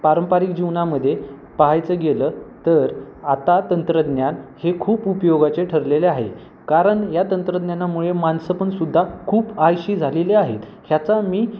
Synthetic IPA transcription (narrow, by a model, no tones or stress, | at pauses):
paɾəmpaɾik̚d͡ʑiʋnaməd̪ʱːje | paɦajt͡səːɡeləːt̪əɾat̪at̪ənt̪ɾəd̪njanhekʰuːpupjoɡat͡ɕeʈʰəɾleleaɦḛ | kaɾəɳjat̪ənt̪ɾəd̪njanːamuɭemansəpəɳsud̪ʱːakʰuːpajɕiːd͡zʱaleleaɦet̪ | hjat͡samiː